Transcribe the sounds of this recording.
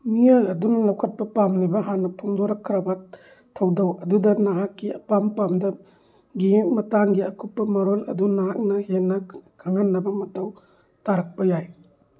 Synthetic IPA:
mijajɐdunɐlɐwkʰɐt̚pɐpamnibɐɦanːɐpʰuŋdoɾɐkʰːɾɐbɐ | tʰɐwdɐwɐdudɐnaɦakːiɐ̰pampamdɐ | ɡimɐtaŋɡiɐkʰupːɐmɐɾolɐ̰dunaɦak̚nɐhenːɐkʰaŋanːɐbɐmɐtɐw | taɾɐk̚pɐjaj

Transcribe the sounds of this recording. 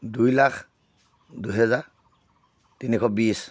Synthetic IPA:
dujlakʰ | duɦɛza | tinikʰɔbis

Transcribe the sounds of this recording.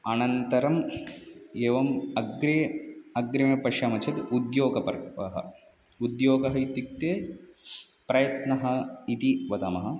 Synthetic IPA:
ɐnɐnt̪ɐɾɐm | eːʋɐmɐɡɾeɐɡɾɐmɐpɐʃɐmɐt͡ʃʰɐt̪ud̪joːɡɐpɐɾkpɐ̰ɦɐ̰ | ud̪joːɡɐɦɐit̪ik̚t̪eː | pɾɐjɐt̪nɐɦɐit̪iʋɐt̪ɐmɐɦɐ

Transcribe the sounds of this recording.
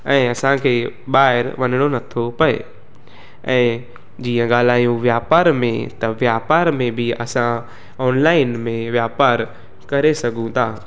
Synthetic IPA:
ɛ̃ːɐsãkʰeːɓaːɦɪɾʋɐnɪɽ̃onɐt̪ʰopɐḛ | ɛ̃ː | d͡ʑiːə̃ɠaːl̤aːjũʋjaːpaːɾmẽt̪ɐʋjaːpaːɾmẽbʱiɐsã | ɔːnlaːɪnmẽʋjaːpaːɾ | kɐɾesɐɡʱũt̪ʰaː

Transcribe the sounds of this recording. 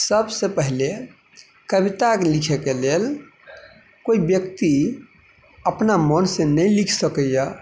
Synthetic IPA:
səbsepəɦle | kəbit̪aklikʰekelel | koibjəkt̪i | əpnamənsẽnəjlikʰsəkəjə

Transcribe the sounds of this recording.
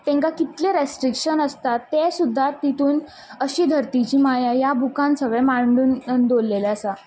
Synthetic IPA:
t̪ẽŋkakit̪leɾesʈɾikɕənəst̪at̪ːesud̪ʱːat̪ːit̪uːn | əɕiːd̪ʱəɾt̪it͡ɕiːmajajabʱukãnsəʋẽmaɳɖuːnnd̪olːeleəsa

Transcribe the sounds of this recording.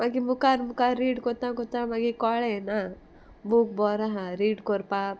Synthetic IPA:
maɡimukaɾmukaɾːiːɖkɔt̪ãkɔt̪ãmaɡikɔɭena | buk̚bɔɾaɦaɾiːɖkɔɾpa

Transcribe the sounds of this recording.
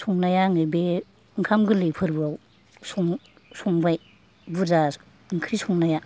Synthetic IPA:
sɔŋnajaŋɯbe | ŋkʰamɡɯlejpʰɯɾbɯaw | sɔŋ | sɔŋbaj | buza | ŋkʰɾisɔŋnaja

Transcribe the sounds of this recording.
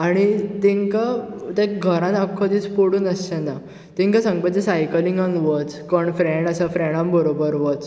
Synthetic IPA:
aɽ̃it̪iŋkat̪ẽɡʱəɾãnəkʰːɔd̪iːt͡spoɽuːnəst͡ɕɛ̃na | t̪ĩŋkasãŋɡpəd͡ʑisajkəlĩŋɡə̃nɡʋət͡skɔɳfɾeɳɖəsafɾɛɽ̃ãmbəɾobəɾʋɔt͡s

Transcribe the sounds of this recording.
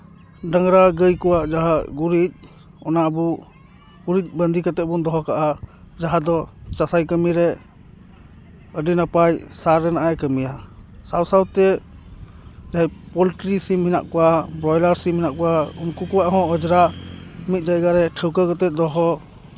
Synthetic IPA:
ɖaŋɾaɡəjkɔwaʔd͡ʒaɦaɡuɾic̚ | ɔnabu | uɾic̪̚ˀbənd̪ʱikat̪ɛt̪̚bund̪ɔɦɔkaʔa | d͡ʒaɦad̪ɔt͡ʃasajkəmiɾɛ | əɖinapajsaɾːɛnaʔajkəmijasawsawt̪ɛ | d͡ʒaajpɔlʈɾisimhina̰ʔkɔwabɾɔjlaɾsimhinaʔkɔwaunkukɔwaʔɦɔ̃ɔd͡ʒɾamit̪̚d͡ʒajɡaɾɛʈʰəwkəkat̪ɛt̪̚d̪ɔɦɔ

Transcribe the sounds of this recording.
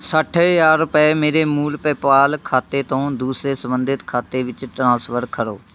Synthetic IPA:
səʈʰjaːɾːʊpɛːmeːɾeːmuːlpɛːpaːlkʰaːt̪eːt̪õːd̪uːsɾeːsəmbənd̪ɪt̪kʰaːt̪eːʋɪt͡ʃʈɾãːsʋəɾkʰəɾo̰ː

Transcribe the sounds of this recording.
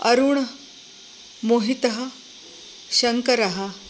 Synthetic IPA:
əɾuːɳ | moɦit̪əɦə | ɕɐŋkəɾaɦa

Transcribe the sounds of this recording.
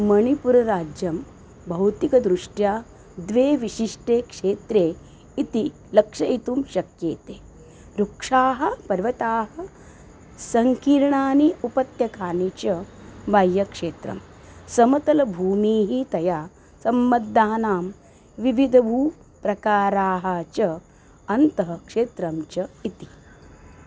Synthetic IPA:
mɐɳipuɾɐɾaːd͡ʒjɐm | bʱɐwt̪ikɐd̪ɾuʂʈjaː | d̪ʋeːʋiʃiʂʈeːkʂeːt̪ɾeː | it̪i | lɐkʂɐit̪umʃɐkjeːt̪eː | ɾukʂaːɦɐ̆pɐɾʋɐt̪aːɦɐ | sɐŋkiːɾɐɳaːniupɐt̪jɐkaːnit͡ʃɐʋaːjːɐkʂeːt̪ɾɐ̰m | sɐmɐt̪ɐlɐbʱuːmiːɦit̪ɐjaː | sɐmːɐd̪ːaːnaːm | ʋiʋid̪ʱɐʋuː | pɾɐkaːɾaːɦɐt͡ʃɐ | ɐnt̪ɐɦɐkʂeːt̪ɾɐmt͡ʃɐit̪i̥

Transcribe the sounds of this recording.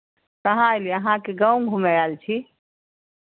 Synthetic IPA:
kəɦãliəɦãkeɡaũŋɡʱumejaːlt͡ʃʰi

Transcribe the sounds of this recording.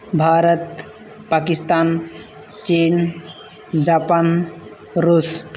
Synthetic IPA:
bʱaɾət̪ | pakist̪aːn | t͡ʃen | d͡ʒapan | ɾus

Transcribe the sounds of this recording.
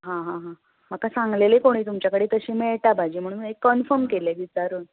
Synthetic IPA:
ɦãɦãɦã | m̤əkasãŋɡlelekoɽ̃iːt̪umt͡ɕjakəɽiːt̪əɕiːmeɭʈ̪abʱad͡ʑiːm̤əɽ̃uːnnekːənfəɾmkeleʋit͡saɾuːn

